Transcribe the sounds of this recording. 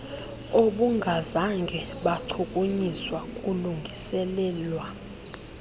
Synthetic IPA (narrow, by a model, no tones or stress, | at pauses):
oɓuŋɡʱazaŋɡʱɛɓaǀʰukʼuɲiswakʼuluŋɡʱisɛlɛːlwa